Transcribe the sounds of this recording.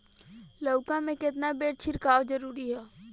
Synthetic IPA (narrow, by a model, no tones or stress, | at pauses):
ləʊkãmẽkɪt̪nabeːɽt͡ʃʰɪɾkaːʋd͡ʒəɾuːɾiɦɛː